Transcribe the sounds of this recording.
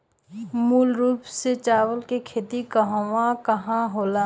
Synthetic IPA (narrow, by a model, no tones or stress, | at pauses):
muːlɾuːpset͡ʃaːwəlkekʰeːt̪ikəɦõwãkɐɦãɦoːlaː